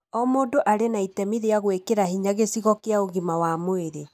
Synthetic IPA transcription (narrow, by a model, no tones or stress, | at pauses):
ɔmoːdoʔaɾenaitɛmiðeaɣwekeɾahiɲaɣesiɣɔkeaoɣimawamoeɾe